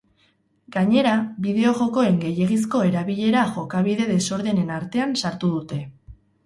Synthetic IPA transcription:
ɡaɲe̞ɾaβiðe̞o̞ʝo̞ko̞e̞ŋɡe̞je̞ɣis̬ko̞e̞ɾaβiʎe̞ɾaʝo̞kaβiðe̞ðe̞so̞ɾðe̞ne̞naɾt̪e̞ansaɾt̪uð̞ut̪e̞

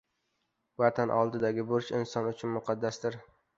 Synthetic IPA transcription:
vat̪ʰanʔɒlˠd̪ɪd̪aɡʲɪbʊɾt͡ʃɪ̰nsɒnʊt͡ʃʰʊnmʊqʰɑd̪ːasd̪ɪɾ

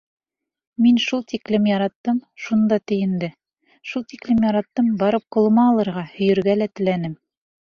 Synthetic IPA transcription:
minʃulˠt̪iklɘmjɑɾɑt̪ːɤmʃund̪ɑt̪ɘ̆jɘ̆nd̪ɘ | ʃulˠt̪iklɘmjɑɾɑt̪ːɤmbɑɾɤp̚qŏlˠɤ̆mɑːlˠɤ̆ɾʁɑhɵ̆jɵ̆ɾɡælæt̪ɘ̆lænɘm

